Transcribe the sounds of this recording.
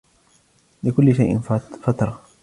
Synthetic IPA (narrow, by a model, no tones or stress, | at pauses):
lɪkʊlːɪʃajʔɪ̰nfat̪ɾˤɑ